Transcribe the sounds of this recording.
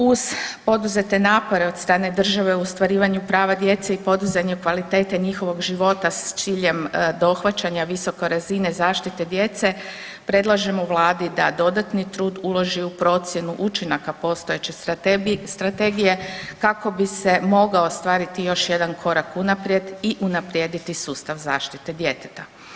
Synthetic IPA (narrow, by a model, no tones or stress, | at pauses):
uz̥po̞d̪uze̞t̪e̞naːpo̞ɾe̞o̞d̪st̪ɾaːne̞d̪r̩ʒaʋe̞uost̪ʋaɾiːʋaɲupɾaːʋad̪je̞t̪seipo̞d̪uzeɲekʋalit̪e̞ːt̪e̞ɲixo̞ʋo̞ɡʒiʋo̞t̪ast̪siːʎe̞md̪o̞xʋat͡ɕaɲaʋiso̞ko̞ɾazine̞zaːʃt̪it̪e̞d̪je̞t̪se̞ | pɾe̞d̪lˠaʒemouʋlˠaːd̪id̪ad̪o̞d̪at̪nit̪ɾuːd̪ulˠo̞ʒiupɾo̞t̪sje̞nuʔut͡ʃinakapo̞ːst̪o̞jet͡ɕe | st̪ɾat̪eɡijekako̞bise̞mo̞ɡaost̪ʋaːɾit̪ijo̞ʃje̞d̪ankʰo̞ɾakunapɾje̞d̪iʔunapɾʲje̞d̪it̪isuːst̪aʋza̰ːʃt̪it̪e̞d̪jet̪e̥t̪a